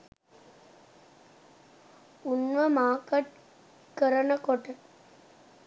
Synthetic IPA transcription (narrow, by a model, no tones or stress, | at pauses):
unʋəmaːkəʈ | kəɾənəkoʈə